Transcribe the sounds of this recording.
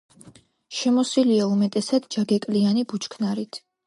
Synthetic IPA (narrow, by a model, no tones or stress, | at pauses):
ʃɛmɔsiliaumɛt̪ʼɛsad̪̥d͡ʒaɡɛkʼlianibut͡ʃʰkʰnaɾit̪ʰ